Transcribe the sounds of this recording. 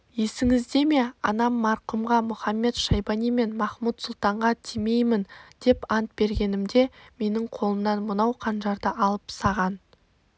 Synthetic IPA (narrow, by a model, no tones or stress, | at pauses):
je̞sɪŋɪzd̪e̞me̞ɑnɑmːɑɾqumʁɑmʊχɑmːe̞t̪ʃɑjbɑnijme̞nmɑχmut̪sʊlˠt̪ɑɴʁɑt̪ʰime̞jmɪnd̪̥e̞pɑnt̪̚b̥e̞ɾɡʲe̞nɪmd̪e̞me̞nɪŋqʰo̞lˠəmnɑnmʊnɑwqʰɑnʒɑɾd̪əʔɑlˠəpsɑʁɑn